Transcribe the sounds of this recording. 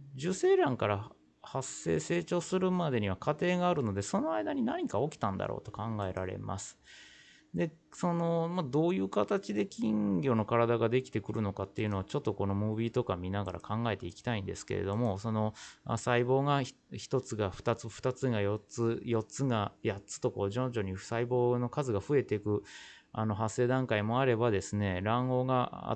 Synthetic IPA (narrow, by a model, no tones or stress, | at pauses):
d͡ʑɨse̞ːɾãŋkaɾa | hasːe̞̰ːse̞ːt͡ɕo̞ːsɨɾɯ̟mad̪e̞ɲ̟iβ̞akat̪e̞ːɡaːɾɯ̟no̞d̪e̞so̞no̞aid̪aɲ̟inaɲ̟ikao̞kʲi̥t̪ãnd̪a̰ɾʔo̰ːt̪o̞̥kãŋɡae̞ɾʔaɾe̞̰ma̰sɨ̥ | d̪e̞ | so̞no̞mad̪o̞ːjɯ̟ːkat̪at͡ɕid̪e̞kʲĩŋɡʲo̞ːno̞kaɾad̪aɡad̪e̞kʲi̥t̪e̞kɯ̟ɾɯ̟no̞kat̪ːe̞jɯ̟noat͡ɕo̞t̪ːo̞ko̞no̞mɯ̟ːbʲiːt̪o̞kamʲinaɡa̰ɾʔa̰kʰãŋɡae̞t̪e̞ikʲi̥t̪aĩnd̪e̞̰sɨ̥ke̞̰ɾe̞̰d̪o̞mo̞so̞no̞a̰saibo̞ːɡa | çi̥t̪o̞t͡sɨɡaɸɯ̟̥t̪at͡sɨɸɯ̟̥t̪at͡sɨɡajot͡sɨjo̞t͡sɨɡajatt͡sɨ̥t̪o̞ko̞ːd͡ʑõ̞ɲ̟d͡ʑo̞ɲ̟isaibo̞ːno̞kazɨɡaɸɯ̟e̞t̪e̞kɯ̟ | a̰no̞ɦasːe̞ːd̪ãŋkaimo̞aɾe̞bad̪e̞sɨne̞ɾãŋɡo̞ːɡaa̰